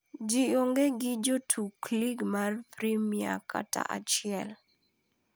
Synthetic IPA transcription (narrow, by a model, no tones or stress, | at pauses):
d͡ʒioŋɡeɡɪd͡ʒotʰukliɡmarpɾimia̰kʰa̰ta̰ʔat͡ʃɪɛl